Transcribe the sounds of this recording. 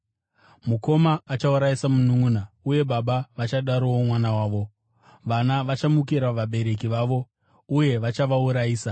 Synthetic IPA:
muko̞maːt͡ʃauɾaisamunuŋuna | uje̞ɓaɓaʋat͡ʃaɗaɾowomwanawaːʋo̞ | ʋanaʋat͡ʃamukiɾaʋaɓe̞ɾe̞kiʋaʋo̞ | uje̞ʋat͡ʃaʋauɾajiːsa

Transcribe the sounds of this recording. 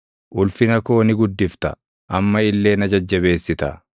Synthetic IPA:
ʔʊlfɪnɐko̞ːnɪɡʊd̪ːɪft̪ɐ̰ | ʔɐmːɐɪlːe̞ːnɐd͡ʒɐd͡ʒːɐβe̞ːsːɪt̪ɐ

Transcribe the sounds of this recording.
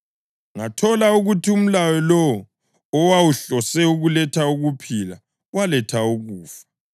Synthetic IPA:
ŋatʰɔlauɣutʰium̩lawɔlɔwɔː | wawuɬɔsɛuɣulɛtʰauɣupʰila | walɛtʰauɣuːfḁ

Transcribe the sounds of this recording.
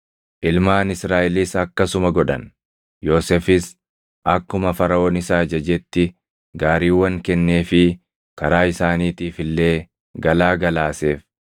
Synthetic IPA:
ʔɪlmaːnɪsɾaːʔɪlisɐkːɐsʊmɐɡɔᶑɐ̰n | jo̞ːsefɪs | ʔɐkːʊmɐfɐɾɐoːnɪsaːd͡ʒɐd͡ʒɛt̪ːɪ | ɡaːɾiːwɐŋkɛnːe̞ːfɪ | kɐɾaːɪsaːniːt̪iːfɪlːe̞ː | ɡɐlaːɡɐlaːse̞ːf

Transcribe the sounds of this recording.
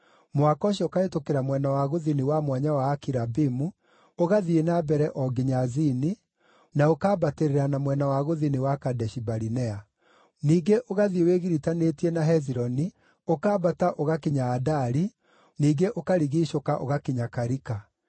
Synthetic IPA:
mwakɔʃiɔokaetokeɾamwɛnawaɣoðiniwamwaɲawaːkiɾabimu | oɣaðienabɛɾɛʔɔɡiɲazini | naokaːbateɾeɾanamwɛnawaɣoðiniwakadɛʃibaɾinɛa | niːɡeʔoɣaðieweɣiɾitanetiɛnaɦɛziɾɔni | okaːbataʔoɣakeɲaːdaɾi | niːɡeʔokaɾiɣiʃokaʔo̰ɣakiɲakaɾika

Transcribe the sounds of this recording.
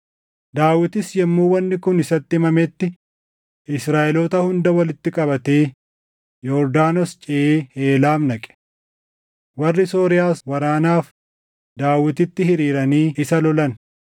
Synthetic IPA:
d̪aːwɪt̪ɪsjɛmːuːwɐnːɪkʊnɪsɐt̪ːɪmɐmɛt̪ːɪ | ɪsɾaːʔɛloːt̪ɐhʊnd̪ɐwɐlɪt̪ːɪkʼɐbɐt̪e̞ː | jɔɾd̪aːnɔst͡ʃʼɪeːeːlaːmnɐkʼɛ̥ | wɐrːɪsoːɾɪjaːswɐɾaːnaːf | d̪aːwɪt̪ɪt̪ːɪɦɪɾiːɾɐniːɪsɐlɔlɐn

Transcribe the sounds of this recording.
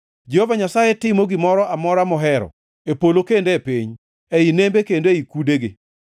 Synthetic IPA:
d͡ʒehovaɲasajetɪmoɡɪmɔɾɔʔamɔɾamɔɦɛɾɔ̰ | epolokendepiɲ | einembekendoeikudeɡɪ̰

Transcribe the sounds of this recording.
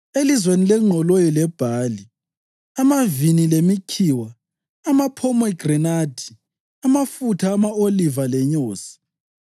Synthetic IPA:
elizwenilɛŋ͡ǃʱɔlojɔlɛb̥ʱali | amavinilemikʰiːwaː | mapʰɔmɔiɡ̥rɛnad̥ʱi | amafutʰaːmaolivalɛɲoːsi̥

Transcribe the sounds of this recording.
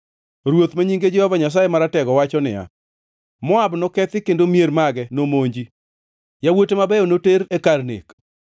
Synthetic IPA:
ɾwot̪maɲiŋɡed͡ʒɛhɔvaɲas̬ajemaɾatɛɡɔwat͡ʃɔnɪ̰ja̰ | mɔabnɔkɛt̪ɪkendomjeɾmaɡɛnomoɲd͡ʒi | jawotemabɛjɔnoteɾekarnḛk

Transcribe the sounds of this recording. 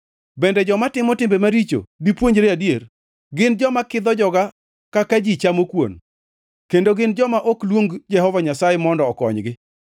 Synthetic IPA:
bɛndɛd͡ʒɔmatɪmɔtɪmbemaɾit͡ʃo̰dipwoɲd͡ʒɾeadijer | ɡɪnd͡ʒɔmakɪd̪ɔd͡ʒɔɡa | kakad͡ʒit͡ʃamokwo̰n | kendoɡɪnd͡ʒɔmaʔoklwoŋɡd͡ʒɛɦɔvaɲasajɛmɔndɔːkɔ̰ɲɡɪ

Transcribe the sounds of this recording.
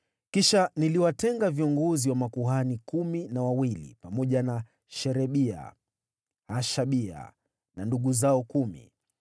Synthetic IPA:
kiʃaniliwatɛŋɡaviɔŋɡɔziwamakuɦanikuminawawilḭpamɔʄana | ʃɛɾɛɓia̰ | haʃaɓia̰ | nanduɠuzaɔkumḭ

